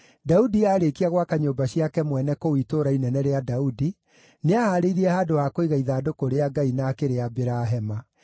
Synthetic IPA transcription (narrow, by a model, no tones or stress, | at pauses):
daudiaːɾekiaɣwakaɲoːbaɕjiakɛmwɛnɛkowitoːɾainɛnɛɾeadaudi | neahaːɾeiɾiɛhaːdoakoiɣaiðaːdokoɾeaɡainakeɾeabeɾaɦɛma